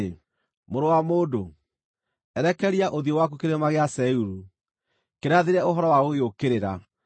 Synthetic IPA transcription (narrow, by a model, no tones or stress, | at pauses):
moɾowamoːdo | ɛɾɛkɛɾiaʔoðiowak̬ukeɾmaɣeasɛuɾu | keɾeaðeɾɛoɦɔɾɔwaoɣeokeɾeɾa